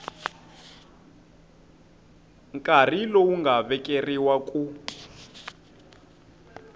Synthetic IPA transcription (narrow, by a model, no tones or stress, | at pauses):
ŋkʼar̤ilouŋɡaβɛkʼeriwakʼu